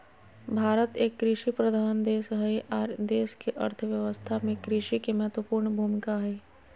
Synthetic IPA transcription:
bʱaːɾət̪eːkːɾɪʃipɾəd̪ʱaːnd̪eːsɦɛʔaːɾd̪eːskeʔɐ̰ɾt̪ʰəʋjɐʋəst̪ʰamẽkɾɪʃikemɛɦət̪wəpuːɾɳbʱuːmɪkaɦɛː

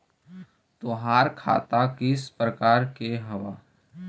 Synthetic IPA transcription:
t̪ʊɦaːɾkʰa̰ːt̪akɪspɾəkaːɾkeɦɐʋa̰ː

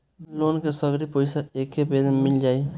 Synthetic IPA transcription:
loːnkesəɡɾipoɪsaekːepelmɪld͡ʒaːi

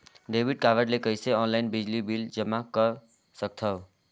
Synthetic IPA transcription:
ɖebiɖ̚kaʋəɾlekəjseɔnlainbid͡ʒlibild͡ʒəmakə | sək̚t̪ʰʌw

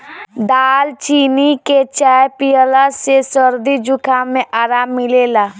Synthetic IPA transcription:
d̪aːlt͡ʃiːniket͡ʃaːjpijəlasesəɾd̪id͡ʒʊkʰamẽʔaːɾaːmːɪlelaː

